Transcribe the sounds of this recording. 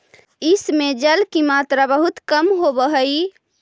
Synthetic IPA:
ismed͡ʒəlkimat̪ɾabəɦut̪kəmɦobəɦəj

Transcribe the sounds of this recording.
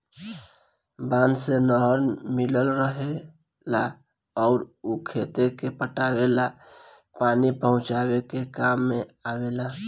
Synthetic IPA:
bãːnd̪senɔɦəɾmɪləlɾəɦe | la | ɔːɾukʰeːt̪ekepəʈaːwela | paːnipəɦʊ̃t͡ʃaːwekekaːmːẽaːwela

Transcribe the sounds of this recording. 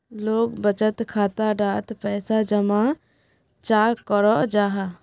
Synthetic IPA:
loːɡbət͡ʃət̪kʰaːt̪aɖaːt̪pɛːsad͡ʒəma | t͡ʃaːkɔɾɔʔd͡ʒaːɦa

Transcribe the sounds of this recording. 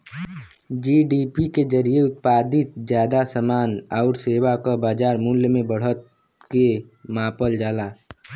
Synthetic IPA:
d͡ʒiːɖipikezəɾijeʊt̪̚paːd̪ɪt̪̚d͡ʒjaːd̪asəmaːnɔʊɾseːbakabaːd͡ʒaːɾmuljmẽbəɽ̤ət̪̚ | ke | mãːpəld͡ʒaːlaː

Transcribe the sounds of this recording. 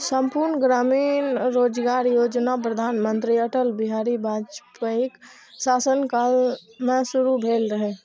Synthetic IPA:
sə̃mpuɾnɡɾaːmiːnɾoːd͡ʒɡaːɾjoːd͡ʒnap̬ɾəd̪ʱaːnmə̃nt̪ɾiɐʈəlbɪɦaːɾibʱaːd͡ʒpaɪk | saːsənkaːlmẽsʊɾubʱeːlɾəɦe

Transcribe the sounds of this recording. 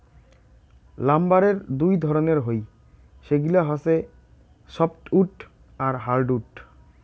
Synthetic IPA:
lambaɾeɾd̪ujd̪ʱɔɾoneɾɦoj | ʃeɡulaɦɔse | sɔpʈuʈ | aɾɦaɾɖuʈ

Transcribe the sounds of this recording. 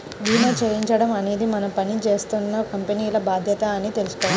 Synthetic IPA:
d̪iːmɐt͡ʃeɾiɲt͡ʃɐɽɐmɐne̞ːd̪imɐnɐpɐnit͡ʃe̞ːst̪unːɐkɐmpeniːlɐbaːd̪ʱjɐt̪ɐːnit̪e̞lusu̥k̪oːni

